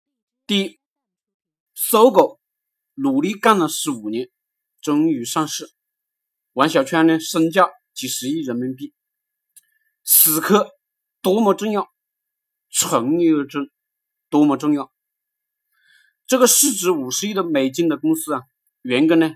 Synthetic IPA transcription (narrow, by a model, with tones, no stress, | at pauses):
t̪i˥˩ | so˥ʊko˨˩˦ʊ | lu˨˩li˥˧ka˥˩nlə˨˩ʂɻ̩˧˥u˨˩njɛ˧˥n | ʈ͡ʂə˥ŋy˧˥ʂɑ˥˧ŋʂɻ̩˥˩ | wa˧˥nɕjɑ˨˩ʊt͡ɕʰɥɛ˥nɛ˧ʂə˥ŋt͡ɕjɑ˥˩ʊ | t͡ɕi˨˩ʂɻ̩˧˥i˥˩ɻə˧˥nmi˧˥npi˥˩ | sɹ̩˨˩kʰɤ˥˩ | t̪wɔ˥mɔ˧˥ʈ͡ʂɤ˥˧ŋjɑ˥˩ʊ | ʈ͡ʂʰə˧˥ŋi˥˧ʈ͡ʂə˥ŋ | t̪wɔ˥mɔ˧ʈ͡ʂʊ˥˧ŋjɑ˥˩ʊ | ʈ͡ʂɤ˥˩ɡə˩ʂɻ̩˥˩ʈ͡ʂɻ̩˧˥u˨˩ʂɻ̩˧˥i˥d̪ə˨me˨˩ɪt͡ɕi˥˩ŋd̪ə˨˩kʊ˥ŋsɹ̩˥ɐ˨ | ɥɛ˧˥nkɤ˥nɛ˧